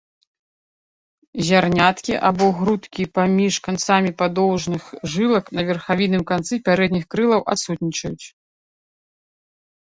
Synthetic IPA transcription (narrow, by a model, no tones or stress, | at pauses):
zʲarnʲat̪kʲiʔabɔɣɾut̪kʲipamʲiʂkant̪samʲipad̪ɔwʐnɨxʐɨlˠɐknɐvʲɛrxavʲinɨmkant̪sɨpʲaɾɛd̪̚nʲixkɾɨlˠɐwʔa̰t̪sut̪nʲit͡ʂɐjut͡sʲ